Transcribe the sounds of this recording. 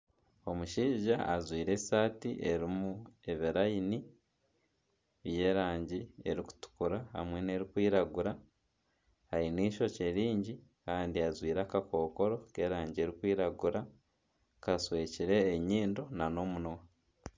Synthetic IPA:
o̞muʃiːʒaa̰zwiːɾe̞̥saːtiʔe̞ɾimue̞βiɾajini | βje̞ːɾaːɲɟie̞ɾiku̥tu̥kuɾaha̰mwe̞ne̞ɾikwiːɾaɡuɾa | haɾiniːʃo̞ceɾiːɲɟikaːndiazwiːɾakako̞ːko̞ɾo̞ke̞ːɾaːɲɟie̞ɾikwiːɾaɡuɾa | kaswe̞ːciɾe̞ːɲiːndo̞nano̞ːmunowa

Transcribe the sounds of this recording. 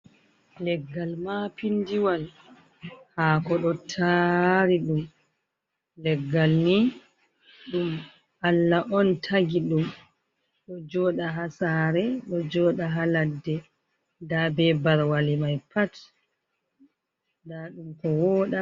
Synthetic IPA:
lɛɡːalmapindiwal | hakɔɗɔtʰaɾiɗum | lɛɡːalni | ɗum | ʔalːaʔɔntʰaɡiɗum | ɗɔd͡ʒɔːɗaɦasaɾɛɗɔd͡ʒɔːɗaɦaladːɛ | dabɛbaɾwalimajpat | daɗumkɔwɔːɗa

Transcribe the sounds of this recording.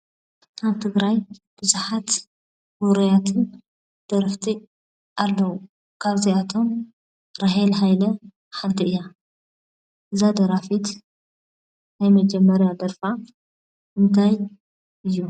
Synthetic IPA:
ʔaβt̪ʰɨɡɾajb̥ɨzuħat̪ | buɾɐjat̪ʰɨn | d̪̥ɐɾɨft̪ʰi | ʔalːɐwu | kʰaβziat̪ʰo̞m | ɾaɦɛlɦajlɐ | ħant̪ʰɐɨja | ʔɨzad̪ɐɾafit̪ | najmɐd͡ʒɛmːɐɾjad̪ɐɾfa | ʔɨnt̪ʰaj | ʔɨjːu

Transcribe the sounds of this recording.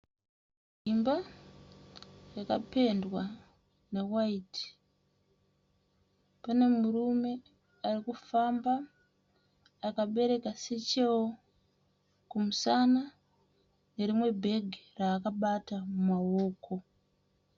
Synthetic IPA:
imba | jakape̞ndwa | ne̞waiti̥ | pane̞murume̞ | arikufamba | kaɓe̞ɾe̞kaset͡ʃe̞wo | kumusana | ne̞ɾimwe̞bʱe̞ɡʱiraːkaɓatamumawoːkʰo̞

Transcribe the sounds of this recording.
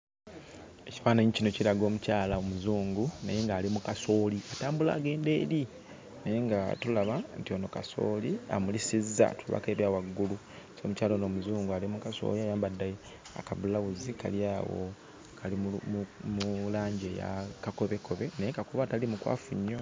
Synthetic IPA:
e̞cifaːnaɲicino̞ciɾaɡo̞ːmucaːlaomuzuːŋɡunajeŋɡaːlimukaso̞liataːmbula̰ːɡe̞ːnde̞ːɾi | nejeŋɡatulaβantio̞no̞kaso̞̰ːlia̰mulisizːa̰tuβa̰keβjawaɡːulu | so̞ːmucaːlonoːmuzuːŋɡualimukaso̞̰liaːjaːmbadːaj | a̰kaβulawuzika̰ljaːwo̰ | kʰali | mulaːɲɟeja̰kakoβeko̞βe̞nejekakoβatalimukwa̰ːfuɲːo

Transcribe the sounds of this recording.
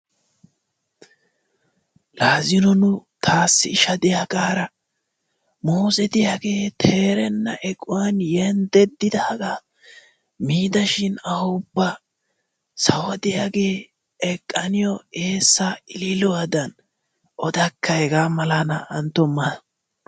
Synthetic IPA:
laːzɪnɔnʊt̪ʰaːsːɪɪʃɐd̪ɪjaːɡaːɾɐ | moːsɛd̪ɪjaːɡeːt̪ʰe̞ːɾɛnːɐʔɛkʼʊwɐnjɛnd̪ɛd̪ːɪd̪aːɡaː | miːd̪ɐʃɪnɐhʊʊbːɐ | sɐwɐd̪ɪjaːɡe̞ː | ɛkʼːɐnɪjɔe̞ːsːaɪlɪlɔwad̪ɐn | ʔɔd̪ɐkːɐɛɡaːmɐlanɐʔɐnt̪ːɔmːɐd

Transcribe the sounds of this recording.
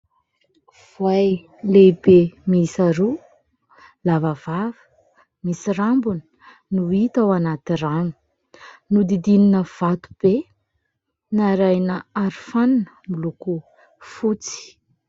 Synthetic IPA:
v̥waj | lebemisaɾu | lavavavə̥ | misirambunə̥ | nuit̪awanat̪irami̥ | nud̪id̪ininəv̥at̪u̥b̥e | naɾajnəaɾifaninəmiluku | fut͡si̥

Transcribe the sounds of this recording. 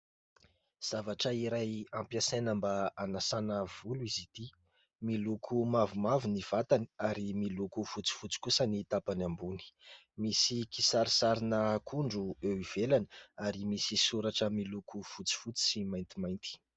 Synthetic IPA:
z̥avaʈ͡ʂəiɾajampjasenəmbaanasanəv̥uluizit̪i | milukʰumavumavuniv̥at̪ani̥aɾimilukufut͡si̥fut͡si̥kusənit̪apanambuni̥ | misikisaɾisaɾinəkʰuɳɖ͡ʐuewiv̥elaniaɾimisisuɾaʈ͡ʂəmilukʰufut͡si̥fut͡si̥simajnt̪imajnt̪i̥

